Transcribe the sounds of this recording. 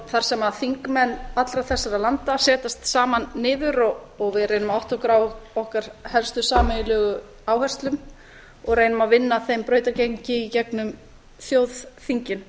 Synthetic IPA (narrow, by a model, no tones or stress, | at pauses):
θaɾ̥sɛmaθiŋkmɛnːat̪lɾaθɛsːaɾalant̪asɛːt̪ast̪saːmanːɪːðʏɾɔ | ɔɣvɪðɾrejnʏmawht̪ɔkɾaːwɔhkaɾ̥hɛlst̪ʏsaːmailœːɣʏ | aːwhɛr̥st̪lʏm | ɔɣrɾeːjnʏmavɪnːaθejmpɾœːɥt̪acejɲcɪicɛknʏm | θjoːwðθiɲcɪn